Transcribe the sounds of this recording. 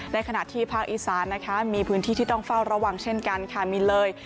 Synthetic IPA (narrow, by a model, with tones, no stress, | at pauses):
na˦˧˥kʰa˧na̰˨˩ʔt̪ʰiː˥˩pʰaː˥˩k̚ʔiː˨˩saː˨˩˦nːa˦˥kʰa˦˥miː˧pʰɯː˦˥nt̪ʰiː˥˩iː˥˩t̪ɔ˥˩ŋfa˥˩wɾa˧waː˧ŋt͡ɕʰe˥˩nka˧nkʰa˥˩miː˧lɤː˧j